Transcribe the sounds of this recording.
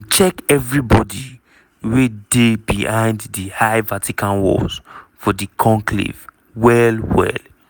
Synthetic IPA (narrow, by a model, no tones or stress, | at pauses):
t͡ʃɛkɛvɹibɔdi | wedebihãɪ̃ndðihaɪvatikãnwɔ̰z̥fɔdikʰɔ̃ŋkʰlḭv̥ | wɛlwɛ̰l